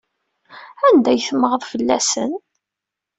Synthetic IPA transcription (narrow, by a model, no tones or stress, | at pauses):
ænd̪æjθəməʁəðˤfəlːæsə̰n